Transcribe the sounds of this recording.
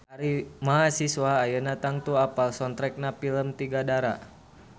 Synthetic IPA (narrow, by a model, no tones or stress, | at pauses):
aɾimaɦasiswaːjənat̪aŋt̪uapalsɔnt̪ɾɛk̚napiləmt̪iɡadaɾa̰